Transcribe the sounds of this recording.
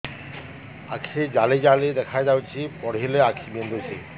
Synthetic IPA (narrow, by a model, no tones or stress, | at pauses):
a̰kʰid͡ʑalid͡ʑaled̪ɛkʰajd͡ʑawt͡ɕʰipɔɽɦileakʰibend̪ʱosʰi